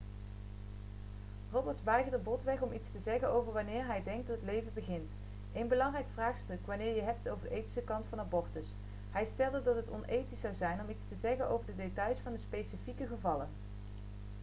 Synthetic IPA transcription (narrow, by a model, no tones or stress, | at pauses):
rɔbəɹtʋɛjχədəbɔtʋɛχɔmitstəzɛχənowvəɹʋɑnɪːɹɦɛjdɛŋktdɑtətlejvənbəχɪnt | ejnbəlɑŋrɛjkfraːχstɵkʋanɪːɹjəɦɛp̚towvəɹdəejti̥səkɑntfɑnabɔɹtəs | ɦɛjstɛlˠdədɑtɦətɔnʔejtisɑwzɛjnɔmitstəzɛχənʔo̰wvəɹdədetɑjsfɑndəspejsifikəχəvɑlən